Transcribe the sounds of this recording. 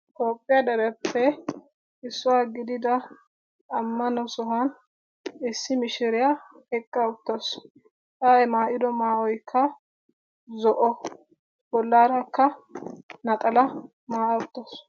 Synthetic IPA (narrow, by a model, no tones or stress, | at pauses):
t̪ʼoːpʼːɪjad̪ɐɾɛpːɛ | ɪsːʊwaɡɪd̪ɪd̪ɐː | mːɐnɔsɔɦan | ɪsːɪmɪʃɪɾɪja | hɛkːɐʊt̪ːɐs | ʔaɛmaːʔɪd̪ɔmaːɔjkʰːɐ | zɔʔɔ | bɔlːaːɾɐkːɐ | nɐt̪ʼɐlɐ | maːʔɐʊt̪ːɐs